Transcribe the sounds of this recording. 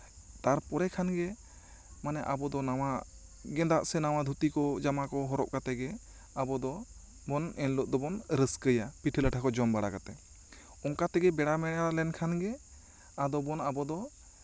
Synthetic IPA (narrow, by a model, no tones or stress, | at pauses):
t̪aɾpɔɾɛkʰanɡɛ | manɛʔabɔd̪ɔnawa | ɡɛ̃d̪aʔsɛnaw̃ad̪ʱut̪ikɔd͡ʒamakɔɦɔɾɔʔ̚kat̪ɛɡɛ | abɔd̪ɔ | bɔnɛnlɔʔ̚d̪ɔbɔnɾəskəjapiʈʰələʈʰakɔd͡ʒɔmbaɽakat̪ɛ | ɔŋkat̪ɛɡɛbɛɽamɛɽalɛnkʰanɡɛ | ad̪ɔbɔnabɔd̪ɔ